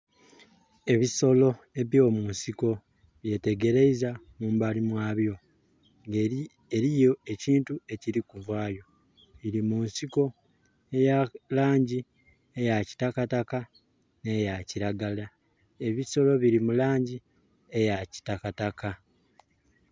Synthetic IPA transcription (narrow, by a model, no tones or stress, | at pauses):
e̞βiso̞lo̞ | e̞βjo̞ːmuːnsiko̞ | βje̞te̞ɡe̞ɾe̞iza | muːmbalimwaːβjo̞ | ŋ | eɾijo̞e̞ciːntue̞ciɾikuvwaːjo̞ | iɾimuːnsiko̞ | ejalaːɲɟi | e̞jaci̥takataka | ne̞jaciɾaɡala | e̞βiso̞lo̞βiɾimulaːɲɟi | e̞jaci̥takataka